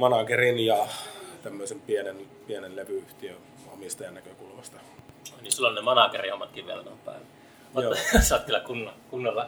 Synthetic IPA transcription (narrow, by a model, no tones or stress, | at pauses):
mɑnɑkerinjɑt̪æmːøˑisempienenpienenleʋyyht̪iøn | omist̪ɑjɑnnækøkulʋɑst̪ɑ̥ | onʲisilːonnemɑnɑkerihomːɑt̪kiʋʋḭḛlæ̰nompæ̰ˑeʋæ | motosɑːˑt̪kylːækunːɑkunːɑlːɑ